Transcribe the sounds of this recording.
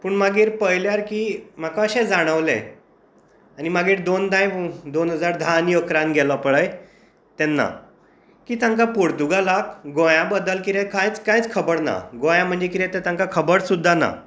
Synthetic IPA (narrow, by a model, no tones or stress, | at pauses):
puːɳmaɡiːɾpəjljaɾkiːm̤akaəɕɛ̃d͡zaɽ̃əʋlḛ̃ | animaɡiːɾd̪ond̪ãjd̪onɦəd͡zaɾd̪ʱanjəkɾãnɡʱɛlɔpɭəj | t̪ɛnːa̰ | kiːt̪ãŋkapoɾt̪uɡalakɡõjãbəd̪əlkiɾɛkãjt͡skãjt͡skʰəbəɽna̰ɡõjãm̤əɳd͡zekiɾɛ̃t̪ɛ̃t̪ãŋkakʰəbəɽsud̪ʱːana̰